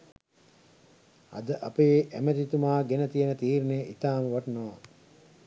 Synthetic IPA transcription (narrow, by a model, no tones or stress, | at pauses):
ɐ̰d̪əʔapeːʔæmet̪it̪umaːɡenət̪ijənət̪iːɾneʔit̪aːməʋaʈnoʋa